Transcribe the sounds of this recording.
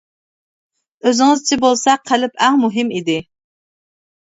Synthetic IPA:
øzɪŋɨzt͡ʃʰibolˠsɛqʰːælɪpʰæŋmuɦɪmid̪ɪ

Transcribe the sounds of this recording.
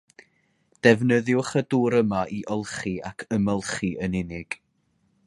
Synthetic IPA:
d̥ɛvnəðjʊχəduːɾəmaʔiʔɔlˠχiakʰəməlˠχiənɪnɪɡ̥

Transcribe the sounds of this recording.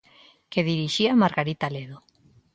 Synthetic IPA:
keðiɾiʃiamaɾɣaɾit̪aleðo

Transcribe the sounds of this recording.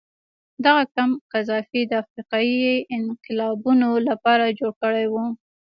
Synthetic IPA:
d̪aɣakamqazɑfid̪əafɾiqɑjiɪnqɪlɑbunolapɑɾad͡ʒoɽkəɽajwu

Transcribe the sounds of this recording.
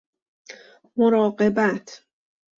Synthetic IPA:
moɾɒːɢe̞bæt̪ʰ

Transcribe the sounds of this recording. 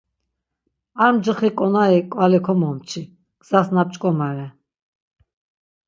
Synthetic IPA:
amd͡ʒəχikʼɔnaikʼwalɛkʰɔmɔmt͡ʃʰi | ɡ̥z̥asnap̚t͡ʃʼkʼɔmaɾɛ

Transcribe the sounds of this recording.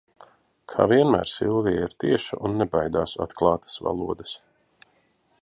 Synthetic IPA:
kʰa̰ːviɛnmæ̰ːɾsḭlˠviiɾt̪iɛʃa̰ʔunːɛbajd̪aːsa̰t̪klˠɑːt̪ə̥sva̰lˠuɔd̪ɐs

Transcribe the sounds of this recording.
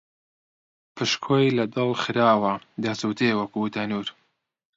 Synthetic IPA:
pʰɨʃkʰoːjlɐd̪ɨlˠxɨɾaːwɐd̪ɐsut̪ʰeːwɐkut̪ʰɐnuːɾ

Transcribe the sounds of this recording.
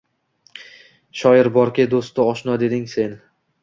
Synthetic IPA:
ʃɒjɪɾbɒɾkʲɪd̪ost̪ːɪɒʃnɒd̪e̞d̪ɪŋse̞n

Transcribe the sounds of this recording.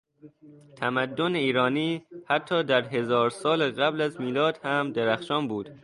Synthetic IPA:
t̪ʰæmæd̪ːoneiːɾɒːniːhæt̪ʰːɒːd̪æɾɦe̞zɒːɾsɒːleɣæblæzmiːlɒːd̪hæmd̪eɾæxʃɒːnbuːd̪̥

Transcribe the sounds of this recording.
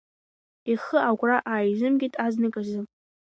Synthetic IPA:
iχəaɡʷraʔaːjzɨmɡʲɪtʼaznɨkʼazɨ

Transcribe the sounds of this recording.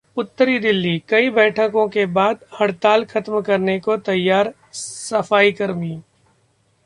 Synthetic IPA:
ʊt̪ːəɾid̪ɪlːikɐibɛːʈʰəkõkebaːd̪hɐɽt̪aːlxʰɐt̪mkɐɾnekot̪ɐjːaːɾ | sɐfaːikɐɾmiː

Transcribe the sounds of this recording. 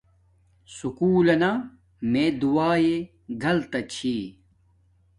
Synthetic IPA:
sukuːlɐna | med̪uaːje | ɡɐlt̪ɐt͡ɕʰi

